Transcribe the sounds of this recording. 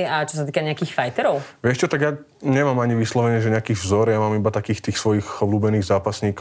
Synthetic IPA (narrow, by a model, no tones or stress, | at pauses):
at͡ʃɔs̬at̪̬iːkaɲɛakiːxfajt̪ɛɾɔʊʋɪɛʃt͡ʃɔt̪aɡjaː | ɲɛmaːmaɲiʋislɔʋɛɲɪɛʒɛɲɛakiːvzɔɾjamaːmibat̪akiːxt̪iːxsʋɔjiːxɔbluːbɛniːɣzaːpasɲiːk